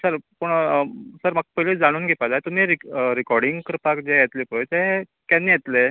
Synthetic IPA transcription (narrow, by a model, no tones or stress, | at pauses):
səɾpuɳsəɾmaɡ̚pəɦiled͡zaɽ̃uːnɡʱepad͡zaet̪um̤iːɾiɾikɔɾɽiŋɡkəɾpakd͡ʑejet̪lepət̪e | kanːiːjet̪le